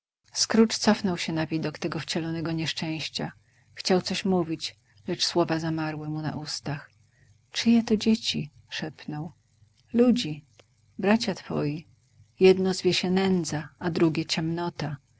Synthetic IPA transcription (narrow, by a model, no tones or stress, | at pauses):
skɾut͡ʂt̪sɔfnɔwɕɛnavʲid̪ɔkt̪ɛɡɔft͡ɕɛlɔnɛɡɔɲɛʂt͡ʂɛ̃w̃ɕt͡ɕa | xt͡ɕawt̪sɔɕmuvʲit͡ɕ | lɛt͡ʂswɔvazamaɾwɘmuna̰ʔust̪ax | t͡ʂɘjɛt̪ɔd͡ʑet͡ɕi | ʂɛpnɔw | lud͡ʑi | bɾat͡ɕat̪fɔ̰ji | jɛd̪nɔzvʲjeɕɛnɛnd̪zaad̪ɾuɡʲɛt͡ɕɛmnɔt̪a